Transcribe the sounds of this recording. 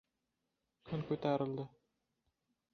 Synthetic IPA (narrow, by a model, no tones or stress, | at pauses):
kʰɵnkʉjt̪ɑɾɤ̆lˠd̪ɤ